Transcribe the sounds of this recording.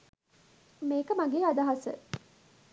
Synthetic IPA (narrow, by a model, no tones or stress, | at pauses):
meːkəmaɡeːad̪aɦasə̰